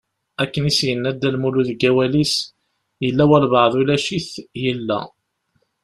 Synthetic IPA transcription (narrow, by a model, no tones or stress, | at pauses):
ækːənisjənːæd̪ːælmuluðɡæwælis | jəlːæwælvəʕðˤulæʃiθjəlːæ̰